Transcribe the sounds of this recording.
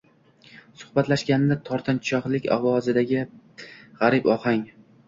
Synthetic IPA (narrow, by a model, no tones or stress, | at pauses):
sʊhbat̪laʃkʲanɪnɪt̪ʰɒɾt̪ʰɪnt͡ʃʰɒχlˠɪkʲɒ̰wɒzɪd̪aɡʲɪ | ʁaɾɪbɒhaŋ